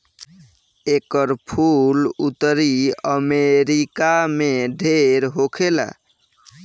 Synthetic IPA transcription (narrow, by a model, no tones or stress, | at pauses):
ekəɾpʰulut̪ɾiəmeɾikameɖʱeɾɦokʰela̰